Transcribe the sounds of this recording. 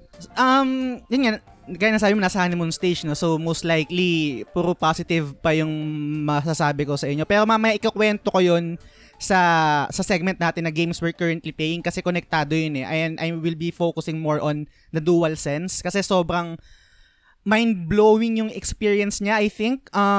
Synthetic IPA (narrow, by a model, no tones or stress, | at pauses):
sʔɐmjʊnŋakajat̪ːɐsaːbɪmonaːsɐhaːnɪnmojʊŋst̪ejt͡ʃnosowmowst̪lajklipuːɾʊpasɪt̪ɪvpɐjʊŋmɐs̬asaːbɪkosɐʔɪɲːo̞pɛːɾomɐɐmɐjaʔɪkɐkwɛnt̪okojon | sɐsɐsɛɡ̚mɛnt̪̚naːt̪ɪnːɐɡejmswɛɹkɐɹɐnt̪lipejɪŋkɐsɛkonɛk̚t̪aːd̪ojonɛʔɐjnʔɐjwɪlbifoːkʊsɪŋmoɹʔon | d̪ɐd̪uːwɐlsɛnskɐsɛso̞ːbɾɐŋ | majnd̪̚bloːwɪŋjʊŋɛkspiɹiɐnsɲaʔɐjθɪŋk̚ʔɐ